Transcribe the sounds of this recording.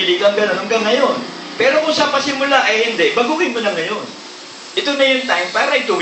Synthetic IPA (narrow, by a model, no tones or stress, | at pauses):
likɐŋɡɐnɐnɐŋɡaŋːɐjo̞n | pɛːɾokʊŋsɐmɐsɪmʊlaʔɐjhɪnd̪ɛʔbɐɡukɪnmʊnɐŋːɐjo̞n | ʔɪt̪onɐjʊŋt̪ajmpaːɾɐʔɪt̪ʊ